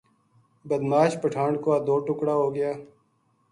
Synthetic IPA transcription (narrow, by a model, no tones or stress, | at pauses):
bəd̪maːʃpəʈʰãːɳɖkoaːd̪oːʈʊkɽaːɦoːɡəjaː